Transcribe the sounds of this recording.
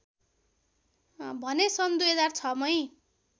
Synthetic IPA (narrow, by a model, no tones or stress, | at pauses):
bʱʌnesʌnd̪ujɦʌd͡zart͡sʰʌmʌj